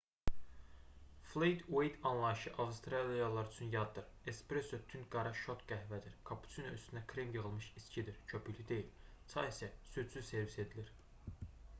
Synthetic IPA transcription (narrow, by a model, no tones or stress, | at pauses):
flˠejd̪wejd̪ɑnlˠɑjiʃɯʔɑvst̪ɾɑlijalˠɑɾyt͡ʃʰynjɑd̪d̪ɯɾ | espɾesot̪ʰynɡɑɾɑʃot̪ɡ̥æɦvæd̪iɾkʰɑpʰu̥t͡s̪ʰinoyst̪ʰynækʰɾemjɯʁɯlˠmɯʃiscʰid̪iɾt͡ʃʰopʰylid̪e̞jil | t͡s̪ʰɑisæsysʰyz̥se̞ɾvise̞d̪iliɾ